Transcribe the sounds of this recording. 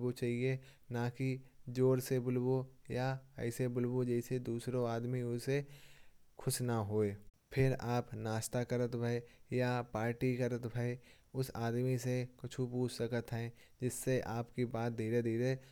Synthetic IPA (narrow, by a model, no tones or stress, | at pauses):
bot͡ʃaːɦie | nakid͡ʒoːɾsebʊlbojaɛ̰ːsebʊlbod͡ʒɛːɪsed̪uːsɾõaːd̪miʊse | kʰʊsnaɦoːeː | pʰɪɾaːpnaːʃt̪akɐɾət̪bʱɐejapaːɾʈikɐɾət̪bʱɐe | ʊsaːd̪misekʊt͡ʃʰupuːt͡ʃsəkət̪ɦɛ̃ː | d͡ʒɪsːeʔaːpkibaːt̪̚d̪ʱiːɾed̪ʱiːɾe